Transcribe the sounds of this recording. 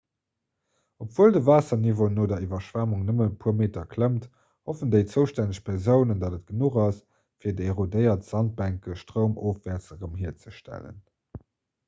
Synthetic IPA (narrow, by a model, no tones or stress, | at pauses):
opv̥uəldəvaːsɐnivonoːdɐivɐʃv̥æmuŋnəmənpʰoɐmeːtɐkʰləmt | hofəndeɪt͡səʊʃtænəɕpʰɛɐzəʊnəndɑdət̚ɡ̥ənuχɑs | fiːɐdəeʁodəɪɐtz̥ɑnt̚bæŋkəʃtʁəʊmʔoːfvæːɐt͡səʁəmɦiɐt͡səʃtæ̰lə̰n